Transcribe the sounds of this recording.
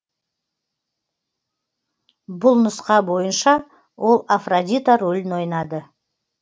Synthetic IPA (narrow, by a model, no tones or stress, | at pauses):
bʊlˠnʊsqɑbo̞jənʃɑ | wʔo̞lˠafrod̪ʲit̪oɾɵlʲɪno̞jnɑd̪ə